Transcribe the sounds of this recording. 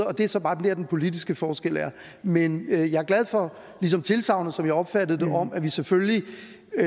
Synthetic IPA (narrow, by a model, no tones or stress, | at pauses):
ɒ̽d̥e̝æɐsɒ̽b̥ɑ̈ːd̥end̥eɐd̥enpʰo̝lid̥isɡ̥əfɒːsɡ̥el̰æɐ | menjɑ̈æɐɡ̥læð̞ˠfɒ̽ | lisɒ̽mt͡sʰe̝lsɑ̈ʊnəsɒ̽mjɑ̈ɪɒ̽b̥fæd̥ð̩ˠd̥eʔɒ̽mæʋiseføli